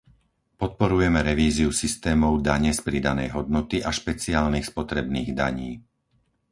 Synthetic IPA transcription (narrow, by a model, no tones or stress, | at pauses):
pɔt̪̚pɔɾujɛmɛɾɛʋiːziusist̪ɛːmɔʊd̪aɲɛspɾid̪anɛ̰jɦɔd̪̚nɔt̪iʔaʃpɛt͡siaːlniːxspɔt̪ɾɛbniːɣd̪a̰ɲiː